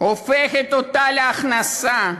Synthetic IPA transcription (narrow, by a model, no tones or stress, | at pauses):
ofɛxet̪ot̪alaχnasa